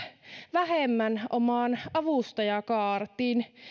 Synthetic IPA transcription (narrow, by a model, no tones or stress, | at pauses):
ʋæhemːænʔomɑːnɑʋust̪ɑjɑkɑːrt̪iːn